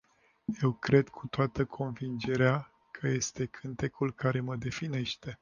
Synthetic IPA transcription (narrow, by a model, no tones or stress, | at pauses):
je̞wkɾe̞d̪kʰut̪oat̪əkʰo̞nvind͡ʒe̞ɾea | kʰəje̞st̪e̞kʰɨnt̪e̞kulkaɾe̞məd̪e̞fine̞ʃt̪e̞